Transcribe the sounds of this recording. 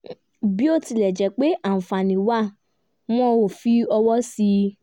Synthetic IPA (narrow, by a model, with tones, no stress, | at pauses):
bi˦o˦ti˧lɛ˨d͡ʒɛ˨˦k͡pe˨˦ʔa˦˨fã˨nĩ˨wa˦˨ | m̃ɔ̃˧wo˨fi˧˦ɔ˧wɔ˦si˧